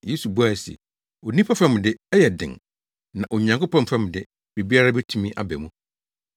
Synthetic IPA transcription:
jeː˨˦su˨bu˦a˨sɛ̰˨ | o˨nĩ˦pʰa˦fɛ˦mʊ̃˨dɪ˦ɛ˦jɛ˨dɪ̰̃˨ŋ | nã˨ʔo˨ɲã˨ŋkʊ˦pʰã˦nfɛ̃˦mʊ̃˨dɪ˦ | b̥e˨bi˦a˦ɾa˦bɛ˦tʰũ˦mĩ˦ʔa̰˨bɛ˨mũ˨

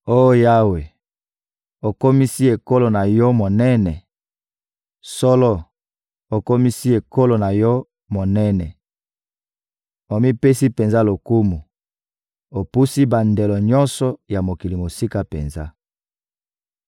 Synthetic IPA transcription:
o˦o˦ja˦we˨ | o˨ko˦mi˦si˦e˨ko˦lo˨na˨jɔ˦mo˨nɛ˦nɛ˨ | sɔ˦lɔ˦ | o˨ko˦mi˦si˦e˨ko˦lo˨na˨jɔ˦ | mo˨nɛ˦nɛ˨ | o˨mi˦pe˦si˦pe˨nza˦lo˨ku˦mu˨ | o˨pu˦si˦ba˨nde˨lɔ˨ɲɔ˦nsɔ˨ja˨mo˨ki˨li˨mo˨si˦ka˦pḛ˨nza˦

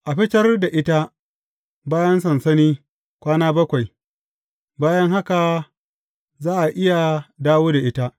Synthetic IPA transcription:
ʔa˨ɸɪ˦tɐ˦rda˨ʔɪ˦ta˦ | baː˦jɐ˦nsɐ˨nsɐ˦niː˦ | kʷaː˦naː˦bɐ˦kʷa˨j | baː˦jɐ˦ŋɦa˦ka˨ | zaː˦ʔa˨ʔɪ˦ja˨daː˦woː˦da˨ʔɪ˦ta˦

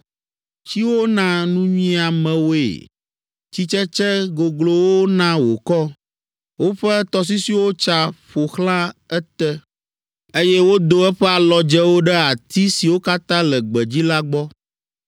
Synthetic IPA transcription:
t͡ɕi˦wo˦nã˦nũ˦ɲĩ˦a˨mɛ̃˨wo˦ḛ˨ | t͡ɕi˦t͡ʃɛ˦t͡ʃɛ˦ɡo˨ɡlo˨wo˦nã˦wo˨kɔ˦ | wo˦ɸɛ˦t̪ɔ˨s̬i˦si˦wo˦t͡ʃa˨ɸo˨xlã˦ɛ˦t̪ɛ˦ | e˦jɛ˦wo˦d̪o˨ɛ˦ɸɛ˦a˨lɔ˨d͡ʒɛ˦wo˦ɖɛ˦a˨t̪i˦si˨wo˦ka˦t̪ã˦lɛ˨ɡ͡bɛ˨d͡ʑi˦la˦ɡ͡bɔ˦

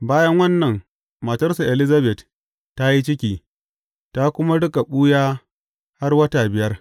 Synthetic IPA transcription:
baː˦jɐ˦ŋwɐ˦nːɐ˨ŋ | mɐ˨tɐ˦rsa˨ʔɛ˨lɪ˦zɐ˦bɛ˨t | tːa˦ji˦t͡ʃɪ˦kʲiː˨ | ta˦kʷʊ˦ma˦ɽʊ˦kʼa˨ɓuː˦jaː˦ | ha˦rwɐ˦taː˨bɪ˨jɐ˦r

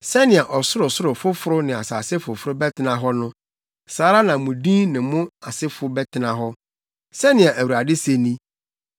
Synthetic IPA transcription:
sɛ˦nɪ̃˨a˨ʔɔ˨sʊ˦ɾʊ˨sʊ˦ɾʊ˨fʊ˦fʊ˦ɾʊ˦nɪ̃˨a˨sa˨sɪ˦fʊ˨fʊ˦ɾʊ˦bɛ˦tʰɪ˦nã˨ɦɔ˦nʊ̃˦ | saː˨˦ɾa˦nã˨mũ˨dĩ˦nɪ̃˨mʊ̃˦a˨sɪ˦fʊ˦bɛ˦tʰɪ˦nã˨ɦɔ˦ | sɛ˦nɪ̃˨a˨ʔæ˨wu˨ɾa˨dɪ˦se˦nĩ˦

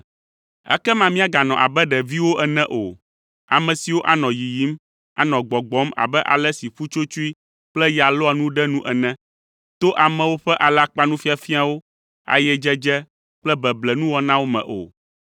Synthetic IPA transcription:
ɛ̰˦kɛ˦mã˦mĩ˦a˦ɡa˨nɔ̃˨ʔa̰˨bɛ˦ɖɛ˨vi˦wo˦ʔɛ˨nɛ̃˦ʔo˨ | a̰˨mɛ̃˨si˨wo˦ʔa˦nɔ̃˨ji˨ji˦m | a̰˨nɔ̃˨ɡ͡bɔ˨ɡ͡bɔ˨˦ma̰˨bɛ˦ʔa̰˨lɛ˦si˨ɸu˦t͡ʃo˦t͡ʃu˦i˦ | k͡plɛ˦ja˨lɔ˦a˨nũ˦ɖɛ˦nũ˦ʔɛ˨nɛ̃˦ | t̪o˦ʔa˨mɛ̃˨wo˦ɸɛ˦ʔa˨la˦k͡pa˦nũ˦fi˦a˨fi˦a˨wo˦ | a̰˨jɛ˦d͡ʒɛ˦d͡ʒɛ˦ | k͡plɛ˦bɛ˨blɛ˨nũ˦wɔ˦nã˦wo˦mɛ̰̃˨ʔo̰˨

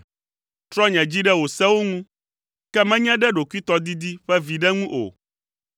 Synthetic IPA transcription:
t̪ɾɔ˦ɲɛ̃˨d͡ʑi˦ɖɛ˦wo˨sɛ˦wo˦ŋũ˦ | kɛ˦mɛ̃˦ɲɛ̃˦ɖɛ˦ɖo˨ku˦i˦t̪ɔ˦d̪i˦d̪i˦ɸɛ˦vi˨ɖɛ˦ŋũ˦ʔo̰˨

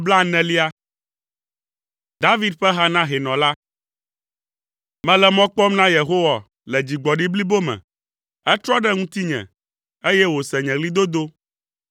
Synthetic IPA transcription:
bla˦nɛ̃˦li˦a˦ | d̪a˦vi˦d̪̚ɸɛ˦ɦa˦nã˦ɦe˨nɔ̃˨la˦ | mɛ̃˦lɛ˦mɔ̃˦k͡pɔ˦mnã˦je˨ɦo˦wa˨ | lɛ˨d͡ʑi˨ɡ͡bɔ˨ɖi˦bli˦bo˦mɛ̰̃˨ | ɛ˦t̪ɾɔ˦ɖɛ˦ŋũ˦t̪i˦ɲɛ̰̃˨ | e˦jɛ˦wo˨sɛ˨ɲɛ̃˨ɡli˦d̪o˦d̪o˦

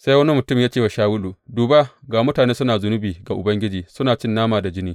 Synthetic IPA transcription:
sa˦jwɐ˦ni˦mʊ˨tʊ˦mjaː˦t͡ʃeː˦wa˨ʃaː˦wʊ˦lu˨duː˨ba˦ɡaː˨mʊ˦taː˨neː˦sʊ˦naː˨zʊ˨˦nʊ˦biː˨ɡa˨ʔʊ˨bɐ˦ŋɡʲɪ˦d͡ʒiː˨sʊ˦naː˨t͡ʃɪ˦nːaː˦maː˨da˨d͡ʒɪ˦niː˦

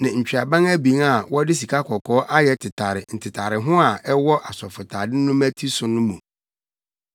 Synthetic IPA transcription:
nã˨ɲ̩˨t͡ɕᶣa˨bã˦ŋæ˦bi˨˦a˨wɔ˦dɪ˦s̬i˨kʰa˦kʰɔ˨kʰɔː˦ʔa˦jɛ˦tʰɪ˨tʰa˨ɾɪ˨n̩˨tʰɪ˨tʰa˨ɾɪ˨ɦʊ̃˦a˨ɛ˦wɔ˦ʔa˨sɔ˨fʊ˨tʰaː˨dɪ˦nʊ̃˦mæ̃˦tʰi˦sʊ˨nʊ̃˦mũ˨

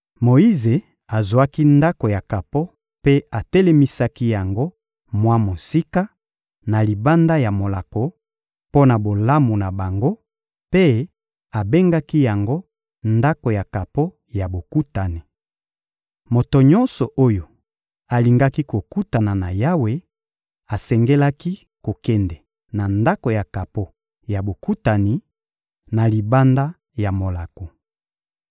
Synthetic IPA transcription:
mo˨i˦ze˨ | a˨zu˨a˦ki˦nda˦ko˨ja˨ka˨po˦ | pe˦a˨tɛ˦le˦mi˦sa˦ki˦ja˨ŋɡo˦ | mwa˦mo˨si˦ka˦ | na˨li˨ba˦nda˦ja˨mo˨la˨ko˨ | po˦na˨bo˨la˦mu˨na˨ba˨ŋɡo˦ | pe˦ | a˨be˦ŋɡa˦ki˦ja˨ŋɡo˦ | nda˦ko˨ja˨ka˨po˦ | ja˨bo˨ku˦ta˨ni˨ | mo˨to˨ɲɔ˦nsɔ˨ʔo˦jo˨ | a˨li˨ŋɡa˦ki˦ko˨ku˦ta˨na˨na˨ja˦we˨ | a˨sɛ˨ŋɡe˦la˦ki˦ | ko˨kɛ˦ndɛ˨ | na˨nda˦ko˨ja˨ka˨po˦ | ja˨bo˨ku˦ta˨ni˨ | na˨li˨ba˦nda˦ | ja˨mo˨la˨ko˨

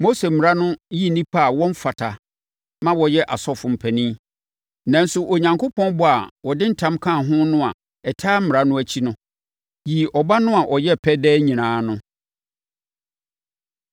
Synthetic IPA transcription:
mo˦se˨mɪ̃˨a˦nʊ̃˦ji˦˨nĩ˦pʰa˦a˨wɔ̃˦m˦fa˨tʰa˨ | mã˦wɔ˨jɛ˦ʔa˨sɔ˦fʊ̃˨m̩˨pʰæ˨nĩ˦ | nã˨n̩˦sʊ˨ʔo˨ɲã˨ŋkʰʊ˦pʰɔ̃˦n˦bʊ˦a˨wɔ˨dɪ˦n̩˦tʰã˦mkʰã˦˨ɦʊ̃˦nʊ̃˦a˨ | ɛ˨tʰaː˦m̩˦mɪ˨ɾa˦nʊ̃˦æ˨t͡ɕʰi˦nʊ̃˦ | ji˨ʔɔ˨ba˦nʊ̃˦a˨ʔɔ˨jɛ˦pʰɛ˦dɛː˦ɲĩ˨nãː˨˦nʊ̃˦

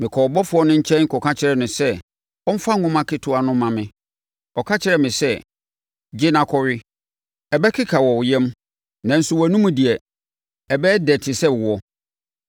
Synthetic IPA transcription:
mɪ̃˨kʰɔ˨bɔ˦fʊ˨˦ɔ˦nʊ̃˦ɲ̩˦t͡ɕʰɛ̃˦nŋ̩˦kʰɔ˨kʰa˦t͡ɕʰɪ˦ɾɛ˨nʊ̃˨sɛ˦ | ɔ˦m̩˦fa˦˨ŋʊ̃˦mã˦kʰɪ˦tʰʊ˨a˨nʊ̃˦mã˨mɪ̃˨ | ɔ˨kʰa˦t͡ɕʰɪ˦ɾɛ˨mɪ̃˨sɛ˦˨ | d͡ʑɪ˦nã˦kʰɔ˦ɾɪ˦ | ɛ˨bɛ˦kʰɪ˦kʰa˨wɔ˨wjɛ̃˦m | nã˨n̩˨sʊ˦wɔ˨æ˨nũ˦mũ˦di˨ɛ˨ | ɛ˨bɛː˦dɛ˨tʰɪ˨sɛ˦˨wɔ˦

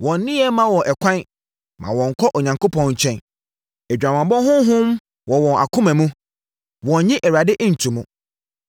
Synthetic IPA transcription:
wɔ̃˨n˦nːɪ̃˦ɛ˦mã˦wɔ̃˨ʔɛ˨kʷʰã˦n | mã̰˨wɔ̃˨ŋ̩˨kʰɔ˦ʔɔ˨ɲã˨ŋko˦pʰɔ̃˨nɲ̩˨t͡ɕʰᶣɛ̃˦n | ɛ˨d͡ʑᶣa˨mã˨mbɔ̃˦ɦʊ̃˦ɦʊ̃˦m | wɔ̃˨wɔ̃˨na̰˨kʰʊ̃˦mæ̃˨mũ˦ | wɔ̃˨˦ɲɪ̃˦ʔɛ˨wa˨dɪ˦ʔn̩˨tʰu˨mʊ̃˨

